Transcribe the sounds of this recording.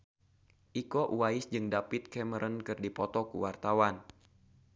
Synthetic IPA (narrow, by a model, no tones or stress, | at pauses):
ʔikɔʔuwaɪsd͡ʒɨŋdapɪt̪̚kɛməɾənkɨrdipɔt̪ɔkuwart̪awan